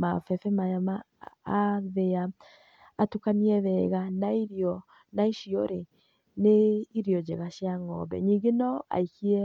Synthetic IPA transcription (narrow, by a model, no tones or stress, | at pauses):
mafɛfɛmajamaː | ðeaː | tukaniɛðɛɣanaiɾiɔ | naiʃiɔɾe | neiɾiɔd͡ʒɛɣaʃiaŋɔ̰bɛ̰ɲiŋɡenɔa̰ikiɛ